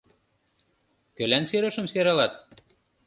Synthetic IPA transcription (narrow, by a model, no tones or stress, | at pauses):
kø̆lænseɾɤ̆ʃɤ̆mseɾɑlɑt̪